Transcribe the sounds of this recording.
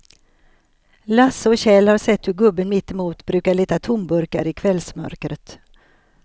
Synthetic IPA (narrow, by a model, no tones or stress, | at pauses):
lasːəɔɕɛlhaɾʂɛt̪ːhɵɾɡɵbːənmɪt̪ːɪmuːt̪bɾʉ̟ːkaɭiːt̪at̪ʰʊmbɵɾkaɾɪkʰvɛlsmœ̰ɾkɾət̪